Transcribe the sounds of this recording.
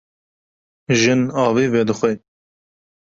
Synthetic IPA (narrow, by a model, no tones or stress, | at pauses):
ʒɨnɑːviːvɛd̪ɨxʷɛ